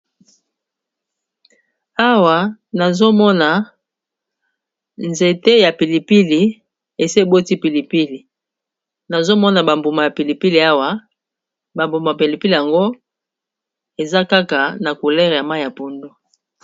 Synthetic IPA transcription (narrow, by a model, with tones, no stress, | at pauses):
a˦wa˨na˨zo˦mɔ˦na˨ | nze˨te˦ja˨pi˨li˨pi˦li˨ | e˨se˦˨bo˦ti˦pi˨li˨pi˦li˨ | na˨zo˦mɔ˦na˨ba˨mbu˨ma˨ja˨pi˨li˨pi˦li˨a˦wa˨ | ba˨mbu˨ma˨a˨pe˨li˨pi˦li˨ja˨ŋɡo˦ | e˨za˦ka˦ka˨na˨ku˨lɛ˦ʁja˨ma˦i˨ja˨po˨ndo˦